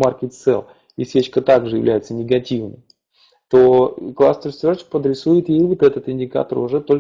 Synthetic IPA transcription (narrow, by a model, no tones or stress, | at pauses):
markʲɪt̪sɛ̰lˠ | isʲet͡ɕkət̪aɡʐɨjɪ̰vlʲæ̰jɪt̪sənʲɪɡɐtʲivnɨ̰m | t̪oklˠast̪əɾst̪vʲort͡ɕɪ̥k̚pəd̪ɾʲɪsujɪt̪jejvot̪ɛt̪ət̪ɪnʲdʲɪka̰t̪ərʊʐɛt̪o̞lʲ